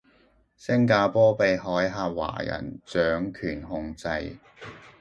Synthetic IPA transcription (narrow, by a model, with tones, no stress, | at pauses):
sɪ˥ŋk̬aː˧pɔː˥pe˨jɦɔː˨˥jɦaː˧p̚wa̰ː˨˩jɐ̰˨˩nt͡sœː˨˥ŋkʰyː˨˩nhʊ˧ŋt͡sɐ˧j